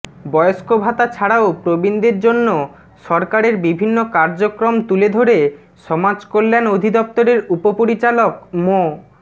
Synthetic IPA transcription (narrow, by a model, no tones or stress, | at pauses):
bɔjoskobʱat̪at͡ɕʰaɽaopɾobind̪iɾd͡ʑonːo | ʃɔɾkaɾeɾbibʱinːokaɾd͡ʑokɾomt̪uled̪ʱoɾe | ʃɔmad͡ʑkolːenod̪ʱid̪ɔp̚t̪oɾeɾupopoɾit͡ɕalokmo